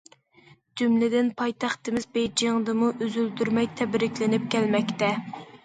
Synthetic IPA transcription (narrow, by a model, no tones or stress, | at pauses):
d͡ʒymlɪd̪ɪnpʰɑjt̪ʰɑχt̪ɨmɪzbejd͡ʒeŋd̪ɨmuʔøzyld̪yɾmɛjt̪ʰɛbɾɪkʲlɪnɪp̚kʲʰɛlmɛkʲt̪ɛ